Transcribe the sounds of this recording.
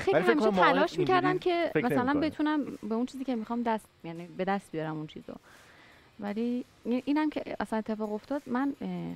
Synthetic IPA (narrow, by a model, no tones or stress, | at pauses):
xellihæmiʃetːʰælɒːʃmicʰæɾd̪æncʰe̞mæsælænbe̞t̪ʰunæmbeunt͡ʃʰiːziːcʲʰe̞mixɒːmd̪æst̪jæniːbe̞d̪æst̪̚bijɒɾæmunt͡ʃʰḭːzo̰ | væli | inʔiːnæmcʰeʔæsæne̞t̪ʰːe̞fɒːɣo̞ft̪ɒːd̪̥mæn